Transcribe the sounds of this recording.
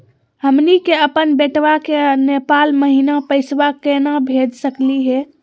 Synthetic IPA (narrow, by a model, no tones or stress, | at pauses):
həmnikeəpənbeʈʋakenepalməɦinapəɪsʋakenabʱed͡ʒsəkliɦɛ